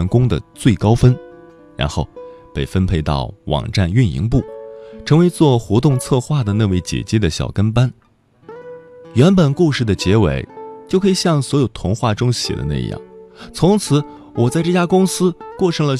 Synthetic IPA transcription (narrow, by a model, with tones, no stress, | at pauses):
nkʊ˥ŋd̪ə̰˨t͡swe˥˩ɪkɑ˥ʊfə˥n | ɻa̰˧˥nxo˥˩ʊpe˥˩ɪfə˥npʰe˥˧ɪt̪ɑ̰˥˩ʊwɑ̰˨˩ŋʈ͡ʂa˥˧ny˥˩nḭ˧˥ŋp̬u˥˩ʈ͡ʂʰɤ˧˥ŋwe˧˥ɪt͡swɔ˥˩xwɔ˧˥t̪ʊ˥˧ŋt͡sʰɤ˥˧xwa˥˩d̪ə˩na˥˧we˥˩ɪt͡ɕjɛ̰˨˩t͡ɕiɛ˥d̪ə˨ɕjɑ̰˨˩ʊkə˥npa˥n | ɥɛ˧˥npə˨˩nku˥˧ʂɻ̩˥˩d̪ə˩t͡ɕjɛ˧˥wḛ˧˥ɪt͡ɕjo˥˩ʊkʰɤ˧˥i˨˩ɕjɑ˥˩ŋswɔ˧˥jo˨˩ʊt̪ʰʊ˧˥ŋxwa˥˩ʈ͡ʂʊ˥ŋɕjɛ̰˨˩d̪ə̰˦na̰˥˧jɑ̰˥˩ŋt͡sʰʊ˧˥ŋt͡sʰɹ̩˧˥ | wɔ˨˩t͡sa˥˧ɪʈ͡ʂɤ˥˧˩t͡ɕja˥kʊ˥ŋsɹ̩˥kwɔ˥˩ʈ͡ʂʰɤ˧˥ŋlə˨